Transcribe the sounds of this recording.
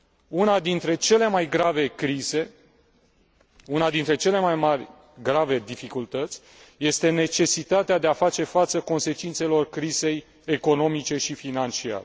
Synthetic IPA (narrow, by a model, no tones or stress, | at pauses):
unad̪int̪ɾe̞t͡ʃe̞le̞majɡɾave̞kɾize̞ | unad̪int̪ɾe̞t͡ʃe̞le̞majmarʲ | ɡɾave̞d̪ifikult̪ət̪sʲ | je̞st̪e̞ne̞t͡ʃe̞sit̪at̪ead̪e̞afat͡ʃe̞fat̪səko̞nse̞t͡ʃint̪se̞lo̞rkɾize̞j | eko̞no̞mit͡ʃe̞ʃifinant͡ʃia̰ɾe